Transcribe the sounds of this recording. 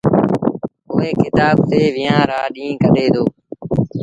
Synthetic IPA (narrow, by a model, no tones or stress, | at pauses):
koːẽːkɪt̪aːb̚t̪eːʋɪːãːɾaːɗĩːkəɗeːd̪oː